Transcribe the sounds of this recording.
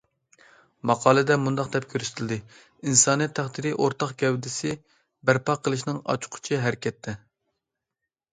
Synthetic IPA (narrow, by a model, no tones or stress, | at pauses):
mɑqʰɑːlˠɨd̪ɛmund̪ɑqd̪ɛp̚kʲʰøɾyst̪ʰɪlʲd̪ɨ | insɑːnijɛt̪ʰːæχd̪iɾiʔoɾt̪ɑqɡʲɛwd̪ɪsɪ | bæɾpɑqʰəlˠɨʃnɪŋɑ̰t͡ʃʰʊ̥qʰʊ̥t͡ʃʰiɦæɾɪkʲɛt̪ʰːɛ